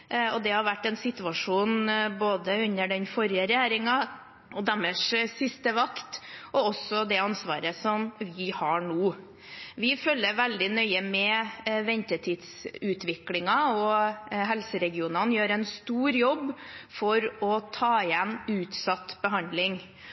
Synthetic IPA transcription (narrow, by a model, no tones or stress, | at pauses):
ɔd̪ɛhɑɾʋæʈːɛnsɪt̪ʉɑʂuːnboːd̪əʉnːəɖɛnfɔɾjəɾɛjæːɾɪŋɑ | ɔd̪æməʂsɪst̪əʋɑkt̪ɔɔsɔd̪ɛɑnsʋɑ̰ːɾəsɔmʋɪhɑɳuː | ʋɪfœlːəɾʋɛld̪ɪnœʏəmɛʋɛnt̪ət̪ʰiːd̪sʉːt̪ʋɪklɪŋɑɔɦɛlsəɾɛɡɪuːnɑnjøːɾɛnst̪uːɾjɔbːfɔɾɔt̪ʰɑːɪɛnʉːt̪sɑt̪ːbəɦɑnd̪lɪŋ